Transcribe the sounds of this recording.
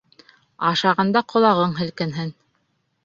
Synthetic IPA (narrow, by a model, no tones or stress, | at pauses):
ɑʃɑʁɑnd̪ɑqʰŏlˠɑʁɤɴɦɘ̆lkɘ̆nɦɘn